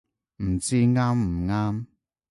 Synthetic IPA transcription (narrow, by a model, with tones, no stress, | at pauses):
m̩˨˩t͡siː˦˥ŋaː˦˥mm̩˨˩ŋaː˦˥m